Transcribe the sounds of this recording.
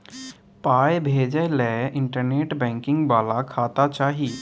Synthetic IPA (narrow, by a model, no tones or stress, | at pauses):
paːjbʱeːd͡ʒəlɛɪ̃ɳʈəɾneːʈbɛ̃ːŋkɪ̃ŋɡbaːlakʰaːt̪at͡ʃaːɦiː